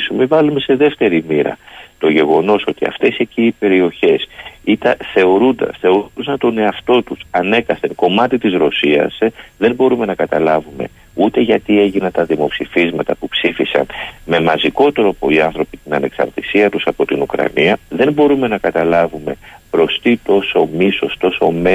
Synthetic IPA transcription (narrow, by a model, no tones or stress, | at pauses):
sumevɐlume̞se̞ðe̞ft̪e̞ɾimiɾɐ̰t̪o̞ʝe̞ɣo̞no̞so̞t̪iɐ̰ft̪e̞se̞ciːpe̞ɾio̞çe̞sit̪ɐθe̞o̞ɾund̪ɐ̰θe̞o̞ɾud̪osɐnt̪o̞ne̞ɐft̪o̞t̪usɐne̞kɐθenko̞mɐt̪it̪izɾo̞siɐ̰sðe̞mbo̞ɾume̞nɐkɐt̪ɐlɐvume̞̰ | ut̪e̞ʝɐt̪ie̞ʝinɐnt̪ɐðimo̞psifizmɐt̪ɐpupsifisɐ̰nme̞mɐziko̞t̪e̞ɾopoiɐnθɾo̞pit̪inɐne̞ksɐ̰ɾt̪isiɐt̪usɐpo̞t̪inukɾɐ̰niɐðe̞mbo̞ɾume̞nɐkɐt̪ɐlɐvume̞pɾo̞st̪it̪o̞so̞miso̞st̪o̞so̞me